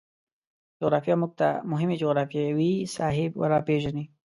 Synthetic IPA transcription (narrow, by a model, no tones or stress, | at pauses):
d͡ʒʊɣɾɑfjamuɡ̚t̪a̰mʊɦɪmed͡ʒoɣɾɑfjewisɑɦɪbwa̰ɾapeʒani